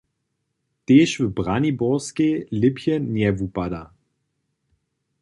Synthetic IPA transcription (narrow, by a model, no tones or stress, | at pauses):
teːʃvəbʁanibɔʁskelɪpjənjɛvupada